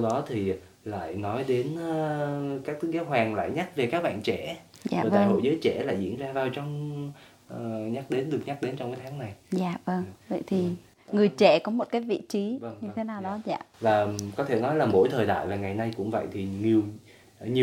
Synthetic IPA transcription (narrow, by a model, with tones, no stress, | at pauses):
sa˧wɗɔ˨˦t̪ʰi˨˩ | la̰ː˧˨jnɔ˨˦jɗe˨˦n˦kaː˦˥k̚t̪ʰɨ˨˦˥k̚zaː˨˦wɦwaː˨˩ŋla̰ː˧˨jɲa˦˥t̚ve˨˩kaː˦˥k̚ɓa̰ː˧˨nt͡ɕɛ˧˩˨ | za̰ː˧˨˩aː˧˨jho̰˧˨jzəː˨˦jt͡ɕɛ̰˧˩la̰ː˧˨jzḭ˧˥ənzaː˧vaː˨˩wt͡ɕɔ˧wŋ͡m | ɲa˦˥k̚ɗe˨˦nɗɨ˨˩əkɲa˦˥k̚ɗe˨˦nt͡ɕɔ˧wŋ͡mkaː˨˦t̪ʰaː˨˦ŋna˨˩jzaː˨˩və˧ŋvə̰˧˨jt̪ʰi˨˩ | ŋɨ˨˩əjt͡ɕɛ˧˩kɔ˨˦mo˨˩t̚kaː˨˦jvḭ˧˨t͡ɕi˨˦və˧ŋɲɨ˧t̪ʰe˨˦naː˨˩wɗɔ˨˦za̰ː˧˨vaː˨˩kɔ˨˦t̪ʰe˧˩nɔ˨˦jlaː˨˩mo̰˧˥˩jt̪ʰəː˨˩jɗa̰ː˧˨jvaː˨˩ŋa˨˩jna˧jkʊ̰˧˥ŋ͡mvə̰˧˨jt̪ʰi˨˩ɲi˨˩əw | ɲi˨˩